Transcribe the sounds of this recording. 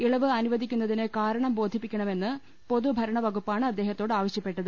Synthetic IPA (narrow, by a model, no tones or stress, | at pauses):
iɭɐʋɨɐnuʋɐd̪ʱikʲːunːɐðinekaːɾɐɳɐmbo̞ːd̪ʱipːikʲːɐɳɐme̞nːɨ | po̞ðubʱɐɾɐɳɐʋɐɡupːaːɳɨɐd̪ːe̞ːɦɐt̪ːo̞ːɽɨaːʋɐɕjɐpːe̞ʈːɐðɨ